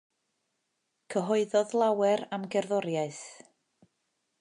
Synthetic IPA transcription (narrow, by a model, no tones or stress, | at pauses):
kʰəɦɔɨðɔðlˠawɛɾamɡɛrðɔɾjaɨθ